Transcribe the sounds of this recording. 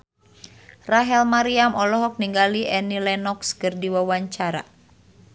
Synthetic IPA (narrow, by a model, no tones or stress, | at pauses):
raɦɛlmaɾiamɔlɔɦɔk̚niŋɡaliʔɛnilɛnɔkskɨrdiwawaɲt͡ʃaɾa̰